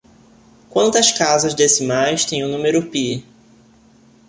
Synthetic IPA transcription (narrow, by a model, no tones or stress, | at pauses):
kwɐ̃nt̪ɐskazɐzd̪esɪmajʃt̪ẽj̃ʊnũmeɾʊpi